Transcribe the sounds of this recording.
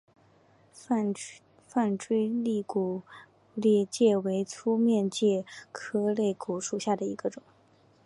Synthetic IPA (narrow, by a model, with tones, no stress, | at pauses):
fa˥˩nʈ͡ʂwe˥ɪli˥˩ku˨˩ | ljɛ˥˧t͡ɕjɛ˥˩we˧˥ɪt͡sʰu˥mjɛ˥˧nt͡ɕjɛ˥˩kʰɤ˥le˥˩ɪku˨˩ʂu˨˩ɕja˥˩d̪ə˩i˧˥ɡ̥ə˧ʈ͡ʂʊ˨˩˦ŋ